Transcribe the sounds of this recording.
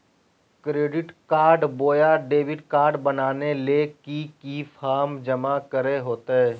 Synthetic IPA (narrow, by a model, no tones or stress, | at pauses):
kɾeːɖɪʈkaːɾɖboːjaɖeːʋɪɖkaːɾɖbɐnaːnelekikifʰaːɾmd͡ʒɐmakəɾeɦoːt̪eɦɛː